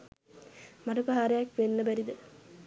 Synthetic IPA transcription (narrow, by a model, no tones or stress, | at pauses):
maʈupaɦaːɾejakʋenːəbæɾid̪ə